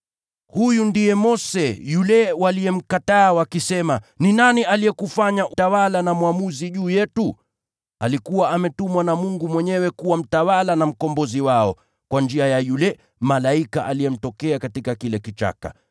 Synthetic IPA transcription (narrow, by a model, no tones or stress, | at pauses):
hujundijɛmɔsɛjulɛwaliɛm̩kataːwakisɛmaninaniʔaliɛkufaɲaʔtawalanamwamuziʄuːjɛtu | alikuwaʔamɛtumwanamuŋɡumwɛɲɛwɛkuwam̩tawalanam̩kɔmbɔziwaɔ | kwand͡ʒiajajulɛ | malaikaʔalijɛm̩tɔkɛakatikakilɛkit͡ʃa̰ka̰